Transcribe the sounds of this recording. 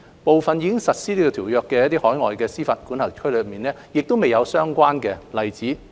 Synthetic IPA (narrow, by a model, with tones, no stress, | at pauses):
po˨wfɐ˨njiː˨˧kɪ˥ŋsɐ˨t̚siː˥liː˥kɔ˧t̪ʰiː˨˩wjœː˧kːɛː˧jɐ˥t̚t̪iː˥hɔː˨˥jŋɔ̰ː˨jkɛː˧siː˥fɐ˨t̚kuː˨˥nhɐ˨˩ŋkʰɵ˥lø˨˧miː˨nlɛː˥jɪ˨k̚t̪o˥wme˨jɐ˨˧wsœː˥ŋkʷaː˥nkɛː˧lɐ˨jt͡siː˨˥